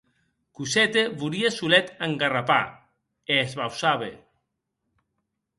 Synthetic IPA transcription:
kusɛt̪eβuɾiesulɛt̪aŋɡarapa̰ | eːzβawsaβḛ

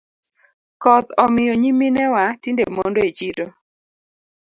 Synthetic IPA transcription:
kɔt̪ɔmɪjɔɲiminɛwatindḛmo̰ndoet͡ʃito

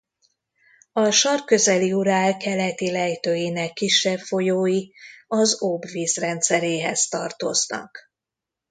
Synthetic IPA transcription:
ɒʃɒrkø̞zɛliuɾaːlkɛlɛt̪ilɛjt̪øːjinɛkːiʃːɛpfo̞joːjiɒzobviːzrɛnt̪sɛɾeːɦɛzt̪ɒrt̪o̞̰znɒ̰k

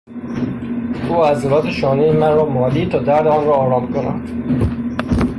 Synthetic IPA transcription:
ʔuːæzeɾɒːt̪ʰeʃɒːnijemænɾɒːmɒːliːt̪ʰɒːd̪æɾd̪eɒnɾɒːɾɒːmkonæ̰d̪̥

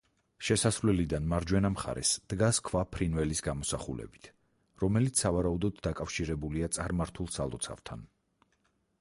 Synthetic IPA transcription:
ʃɛsasɾvlɛlid̪anmaɾd͡ʒwɛnamχa̰ɾɛ̰sd̪̥ɡaskʰvapʰɾinvɛlisɡamɔsaχulɛ̰bi̥t̪ʰ | ɾɔmɛlit̪ssavaɾaud̪ɔd̪ːakʼafʃiɾɛbuliat̪sʼaɾmaɾt̪ʰulˠsalˠɔ̰t̪sʰa̰vt̪ʰa̰n

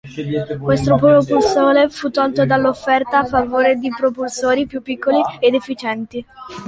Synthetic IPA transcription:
kwest̪ɾopɾopulsoːɾefut̪ːɔlt̪od̪alːofːɛrt̪aːfːavoːɾed̪ipɾopulsoːɾipjupːikːolied̪efːit͡ʃɛnt̪i

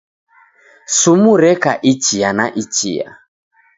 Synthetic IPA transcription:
sumuɾɛkaʔit͡ʃianaʔit͡ʃḭa̰

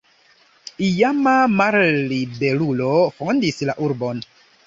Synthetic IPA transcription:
ijamamaɾlibe̞ɾulofondislaʔuɾbo̞n

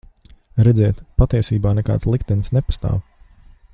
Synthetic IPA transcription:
ɾɛd̪zɛːt̪pat̪iɛsiːbaːnɛka̰ːt̪slˠikt̪ɛnsnepḁst̪a̰ːw

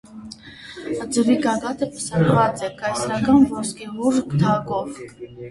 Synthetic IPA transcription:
əd͡zəviɡɑɡɑt̪əpə̥sɑɾvɑt͡sɛkɑjsɾɑkɑnvɔskibuɾkd̪ʱɑɡɔvk

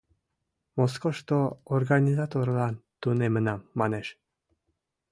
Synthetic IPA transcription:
moskoʃt̪oːrɡanʲizat̪oɾlɑnt̪unemənɑmːɑneʃ

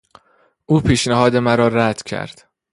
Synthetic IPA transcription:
ʔuːpʰiːʃnæɦɒːd̪e̞mæɾɒːɾæd̪̥cʰæ̰ɾd̪̥

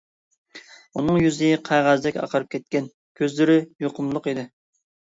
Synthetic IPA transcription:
unɨŋjyzɪqʰæʁæzd̪ɛkʲɑ̰qʰəɾɨp̚kʲʰɛt̪̚kʲɛn | kʲʰøzlɪɾɪjoqʊmlˠʊqid̪ɪ

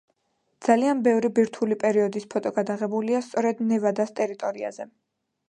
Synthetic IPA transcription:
d̪z̥alianbɛvɾibiɾt̪ʰulipʼɛɾiɔd̪ispʰɔt̪ʼɔɡad̪aʁɛbuliast̪sʼɔɾɛd̪nɛvad̪ast̪ʼɛɾit̪ʼɔɾia̰zɛ

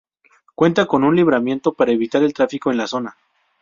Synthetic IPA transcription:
kwe̞nt̪ako̞nunliβɾamje̞nt̪o̞paɾaeβit̪aɾe̞lt̪ɾafikoe̞nlaso̞na

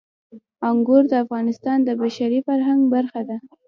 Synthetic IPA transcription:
aŋɡoɾd̪əafɣɑnɪst̪ɑnd̪əbaʃaɾifaɾɦaŋɡbaɾxad̪a

